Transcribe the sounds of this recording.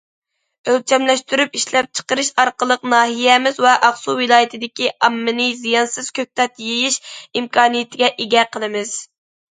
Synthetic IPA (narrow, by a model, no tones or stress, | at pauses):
ølt͡ʃʰɛmlɛʃt̪yɾypiʃlɛp̚t͡ʃʰə̥qəɾɨʃɑɾqəlˠəqnɑːɦijɛmɪzwɛʔɑχsuwɪlˠɑːjɪt̪ʰɪd̪ɪkʲiʔɑmːɨnɨzijɑnsɨz̥kʲʰøk̚ʲt̪ɛt̪jejiʃimkʰɑːnijɪt̪ʰɪɡʲɛʔeɡʲɛqʰəlˠɨmɪz̥